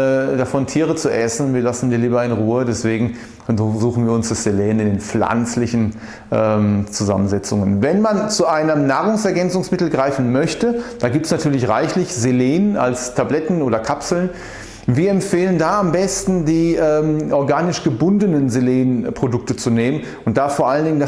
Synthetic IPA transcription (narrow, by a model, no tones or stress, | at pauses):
ɛːd̥afɔntʰiːʁ̞ət͡suʔɛsn̩viːɐlasn̩diːɐliːbɐɪnʁuːədɛsv̥eːɡŋ̩ | zuːxn̩viːɐʊnsd̥asz̥eleːnɪndeːnp͡fla̰nt͡slɪçn̩ | ʔɛːmt͡suza̰mənzɛt͡sʊ̰ŋənvɛnmant͡suʔaɪnəmnaːʁʊŋsɛɐɡɛnt͡sʊŋsmɪtl̩ɡʁaɪfn̩mœçtəd̥aːɡiːp̚tsnatʰyːɐlɪçʁaɪçlɪçzeleːna̰lstʰablɛtn̩ʔoːɾɐkʰapsl̩n | viːɐɛmfeːləndaːambɛstn̩diːʔɛːmʔɔɐɡaːnɪʃɡ̥əbʊndənənzeleːnpʁ̥odʊk̚tət͡suneːmən | ʊnt̚d̥aːfoːɐʔaləndɪŋənda